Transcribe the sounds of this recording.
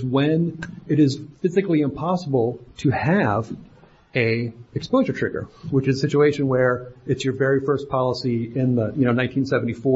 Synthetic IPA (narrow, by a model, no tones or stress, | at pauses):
wɨ̃nɨɾɪz̥fɪzɨkliɨ̃mpʰɑsəbl̩ˠtʰɨɨv | ɨɨkspoʊʒə˞tʰɹ̥ɪɡə̰˞wət͡ʃɨzəsɪt͡ʃueɪʃɨ̃nwə˞ɨtsjə˞vɛɹifɜ˞spʰɑlˠəsiɪ̃nðəjɨñoʊnãɪ̃ntʰĩnsɛvn̩tifɔ